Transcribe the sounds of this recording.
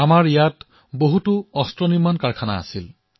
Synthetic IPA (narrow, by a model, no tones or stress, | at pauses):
amaɹijat | boɦutʊɔstɹɔniɹmankaɹkʰana̰ːsil